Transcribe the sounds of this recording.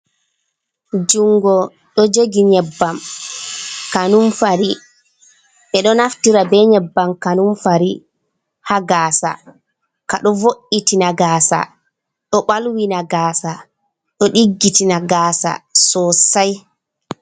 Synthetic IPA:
d͡ʒuŋɡɔ | ɗɔd͡ʒoɡiɲɛbːam | kanumfaɾi | ɓɛɗɔnaftiɾabɛɲɛbːamkanumfaɾi | haɡaːsa̰ | ka̰ɗɔvoʔitinaɡaːsa̰ | ɗɔɓalwinaɡaːsa | ɗɔɗiɡːitinaɡaːsa̰sɔsaj

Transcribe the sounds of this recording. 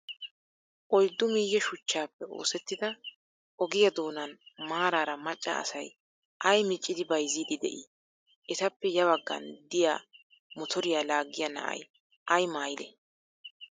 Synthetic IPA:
ʔɔjd̪ːʊmiːjːɛʃʊt͡ʃːaːpːɛo̞̰ːsɛt̪ːɪd̪ɐ | ʔɔɡɪjɐd̪o̞ːnɐnmaːɾaːɾɐmɐt͡ʃʼːɐ̰ːsɐj | ʔɐjmɪt͡ʃʼːɪd̪ɪbɐjzːiːd̪ɪd̪ɛ̰ʔi | ʔɛt̪ɐpːɛjɐbɐɡːɐ̰nd̪ɪja̰ː | mɔt̪ʰɔɾɪjaːlaːɡːɪjɐnɐ̰ʔɐ̰j | ʔɐjmaːjɪlɛ̰

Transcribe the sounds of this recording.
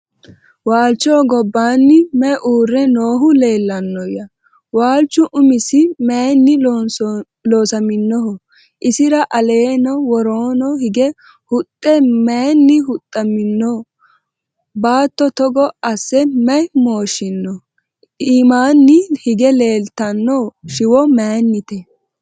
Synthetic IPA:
waːlt͡ʃːoːɡɔbːaːnːɪmɛʔuːrːɛnoːɦʊle̞ːlːɐnːɔjɐ | waːlt͡ʃːʊʔʊmɪsɪmɛnːɪ | loːsɐmɪnːɔɦɔ | ʔɪsɪɾɐʔɐle̞ːnɔwɔɾoːnɔhɪɡɛ | hʊt̪ʼːɛmeːnːɪhʊt̪ʼːɐmɪnːɔ | baːt̪ːɔt̪ɔɡɔɐsːɛmɐjmoːʃɪnːɔ | iːmaːnːɪhɪɡɛleːlt̪ɐnːɔʃɪwɔmeːnːɪt̪ɛ

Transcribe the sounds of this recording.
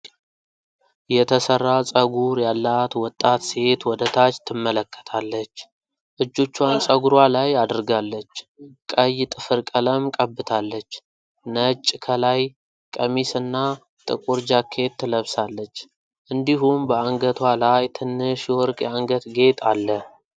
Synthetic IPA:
jɛt̪ʰəsərːasʼəɡuɾjalːat̪wɔt̪ʼːat̪se̞t̪wɔd̪ət̪ʰat͡ʃt̪ʰːɨmːələkʰːə̥t̪ʰalːət͡ʃː | ʔɨd͡ʒːo̞t͡ʃːwansʼəɡuɾwalajad̪ɾɡalːət͡ʃːkʼəjt̪ʼɨfɨɾkʼələmkʼəbːɨt̪ʰalːət͡ʃː | nət͡ʃʼːkʰəlaj | kʼəmisɨnːa | t̪ʼɨ̰kʼuɾd͡ʒakʰːe̞t̪ʰːɨləβsalːət͡ʃː | ʔɨnd̪iɦumbəaŋɡət̪ʰwalajt̪ʰɨnːɨʃwɔɾkʼaŋɡət̪ɡe̞t̪ʰʼalːə

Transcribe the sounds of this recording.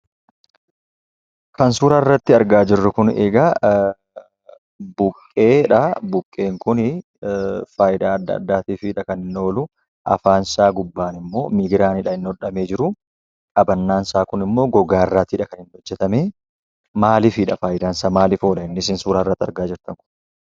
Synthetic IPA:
kɐnsuːɾaːrːɐt̪ːɪɐɾɡaːd͡ʒɪrːʊkʊnḛːɡɐ | bʊkʼːe̞ːᶑɐbʊkʼːe̞ːŋkʊnɪ | faːjɪd̪aːɐd̪ːɐ̰d̪ːaːt̪iːfɪᶑɐkɐnɪnːo̞ːlʊ | ʔɐ̰faːnsaːɡʊbːaːnɪmːo̞ːmiːɡɪɾaːnɪᶑɐɪnːɔᶑɐme̞ːd͡ʒɪɾʊ | kʼɐbɐnːaːnsaːkʊnɪmːo̞ːɡɔɡaːɪrːaːt̪iːᶑɐkɐnhɪnːɔd͡ʒːɛt̪ɐmeː | maːlɪfɪᶑɐfaːjɪd̪aːnsaːmaːlɪfoːᶑɐɪnːɪsɪnsuːɾaːɪrːɐt̪ːɐɾɡaːd͡ʒɪɾt̪ɐŋkʊ̥n

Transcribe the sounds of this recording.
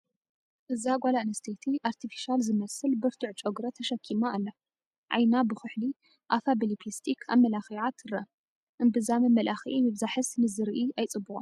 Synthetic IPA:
ʔɨzaɡʷalaɨnɨst̪ʰet̪ʰiʔaɾt̪ʰifi̥ʃalzɨmɐsɨlbɨɾt̪ʰuʕt͡ʃʼoɡɾɐt̪ʰɐʃɐkʰːimaʔalːɐ | ʕa̰jnabɨxɨħli | ʔafabelipʰist̪ʰikʰa̰mɐlaxiʕat̪ʰɨɾɐ | ʔɨnbɨzamɨmɐlʔaxiʔimɨβzaħɨsnɨzɨɾʔiʔajt͡sʼɨbːɨʔʼo

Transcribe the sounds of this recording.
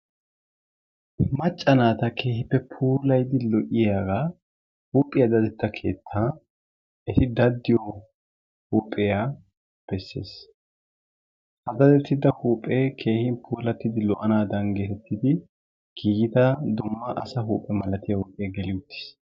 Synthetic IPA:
mɐt͡ʃʼːɐnaːt̪ɐkʰe̞ːhɪpːɛpʰuːlɐjd̪ɪlɔʔɪjaːɡaː | huːpʼːɪjad̪ɐd̪ɛt̪ːɐkʰe̞̰ːt̪ʰːaː | hɛt̪ɪd̪ɐd̪ːɪjɔ | huːpʼɪja | b̥ɛsːe̞̰ːs | ʔɐd̪ɐd̪ɛt̪ːɪd̪ɐhuːpʼːɛkʰe̞ːhɪnpʰuːlɐt̪ːɪd̪ɪlɔʔɐnaːd̪ɐnɡeːt̪ɛt̪ʰːɪd̪ɪ | ɡ̥iːɡɪt̪ɐd̪ʊmːɐʔɐ̰sɐɦuːpʼːɛmɐlɐt̪ɪjɐwɔʔʼɪjɐɡɛlɪʊt̪ːɪ̥s

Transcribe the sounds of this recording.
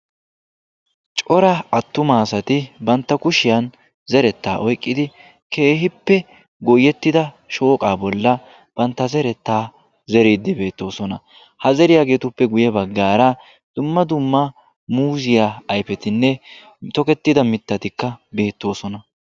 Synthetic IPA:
t͡ʃʼɔɾɐɐt̪ːʊmaːsɐt̪ɪbɐnt̪ːɐkʊʃɪjɐn | zɛɾɛt̪ːaːʔɔjkʼːɪd̪ɪ | kʰe̞ːɦɪpːɛ | ɡɔjːɛt̪ːɪd̪ɐ | ʃo̞ːkʼaːbɔlːɐ | b̥ɐnt̪ːɐzɛɾɛt̪ːaː | zɛɾeːd̪ːɪbe̞ːt̪ːo̞ːsɔnɐ̰ | hɐzɛɾɪjaɡe̞ːt̪ʊpːɛɡʊjɛbɐɡːaːɾɐ | d̪̥ʊmːɐd̪ʊmːɐ | muːzɪjaːjfɛt̪ɪnːɛ | t̪ɔkɛt̪ːɪd̪ɐmɪt̪ːɐt̪ɪkːɐbe̞ːt̪ːo̞ːsɔnɐ

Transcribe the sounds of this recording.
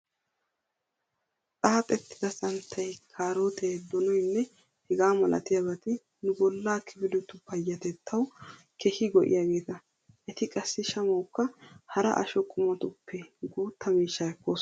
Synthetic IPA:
tʼaːt̪ʼɛt̪ːɪ̥d̪ɐsɐnt̪ʰːɐjkʰaːɾoːt̪ʰɛd̪ɔnɔjnːɛ | hɪɡaːmɐlɐ̰t̪ɪjɐbɐt̪ɪ | nʊbɔlːaːkʰɪbɪlʊt̪ːʊpɐjːɐt̪ɛt̪ʰːɐw | kʰɛhɪɡɔʔɪ̰jaːɡe̞ːt̪ɐ | ʔɛt̪ɪkʼɐsːɪʃɐmɐwkːɐhɐɾɐ̰ʔɐ̰ʃɔkʼʊmɐt̪ʊpːɛɡuːt̪ʰːɐmiːʃːɐɛkːoːs

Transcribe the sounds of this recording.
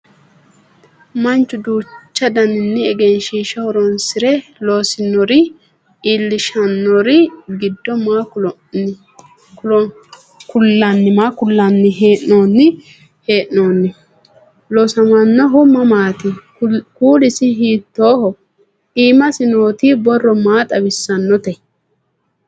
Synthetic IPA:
mɐnt͡ʃːʊd̪uːt͡ʃːɐd̪ɐnɪnːɪɛɡɛnʃiːʃɐhɔɾɔnsɪɾɛlo̞ːsɪnɔɾɪ | ɪlːɪʃɐnːɔɾɪɡɪd̪ːɔmakʊɔ | kʊlːɐnːɪmaːkʊlːɐnːɪɦeːʔnoːnːɪ | heːʔno̞ːnːɪ | losɐmɐnːɔɦʊmːɐmaːt̪ɪ | kuːlɪsɪɦiːt̪ːo̞ːhɔ | iːmɐsɪnoːt̪ibɔrːɔmaːt̪ʼɐbɪsːɐnːɔt̪ɛ

